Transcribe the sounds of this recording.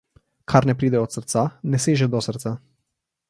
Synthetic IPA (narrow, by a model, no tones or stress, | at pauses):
kʰarnepɾid̪eot̪sərt̪saneseʒed̪osərt̪sa